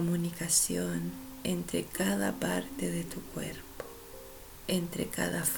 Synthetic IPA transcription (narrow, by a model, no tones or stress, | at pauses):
munikasjonent̪ɾekaðapaɾt̪eðet̪ukwḛɾpo̥ | ent̪ɾḛka̰ðaf